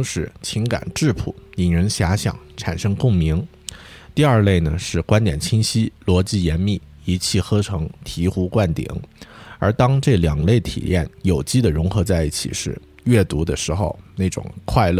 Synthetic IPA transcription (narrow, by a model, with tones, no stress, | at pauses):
ʊ˧˥ŋʂɻ̩˧˥t͡ɕʰi˧˥ŋka̰˨˩nʈ͡ʂɻ̩˥˩pʰṵ˨˩i˨˩ŋɻə˧˥nɕja˧˥ɕjɑ̰˨˩˦ŋʈ͡ʂʰa̰˨˩nʂɤ˥ŋkʊ˥˩ŋmi˧˥ŋ | t̪i˥˧ɐ˞˥˧le˥˩ɪnə˩ʂɻ̩˥˩kwa˥nt̪jɛ˨˩nt͡ɕʰi˥ŋɕi˥lwɔ˧˥t͡ɕi˥˩jɛ˧˥nmi˥˩ | i˧˥t͡ɕʰi˥˩xɤ˥ʈ͡ʂʰɤ˧˥ŋt̪ʰi˧˥xu˥kwa˥˩nt̪ḭ˨˩˦ŋə˞˧˥t̪ɑ˥ŋʈ͡ʂɤ˥˩ljɑ˨˩ŋle˥˩ɪt̪ʰḭ˨˩jɛ˥˩njo˨˩ʊt͡ɕi˥˩d̪ə˨ɻʊ˧˥ŋxɤ˧˥t͡sa˥˧ɪi˥˩t͡ɕʰḭ˨˩ʂɻ̩˥˧ | ɥɛ˥˩t̪u˧˥d̪ə˧ʂɻ̩˧˥xo˥˧ʊne˥˩ɪʈ͡ʂʊ̰˨˩ŋkʰwa˥˧ɪlɤ˥˩